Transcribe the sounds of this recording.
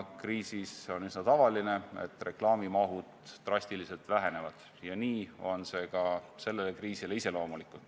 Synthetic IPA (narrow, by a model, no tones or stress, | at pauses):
kriːsiso̞nysnɑt̪ɑvɑline̞e̞̰t̪ːˑre̞klɑːmimɑɦud̪̥ːrɑsʲt̪ilise̞lt̪væɦe̞ne̞vɑd̪̥ | jɑniːo̞nse̞kɑse̞lːele̞kriːsile̞ise̞lo̞ːmulikːut̪